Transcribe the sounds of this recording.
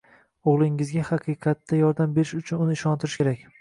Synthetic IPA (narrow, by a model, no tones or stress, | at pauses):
oʁlˠɪŋɪzɡʲahɑqʰɨqʰɑt̪ːajɒɾd̪ambe̞ɾɪʃʊt͡ʃʰʊnʊnɪːʃɒnt̪ʰɪɾɪʃkʲe̞ɾakʲ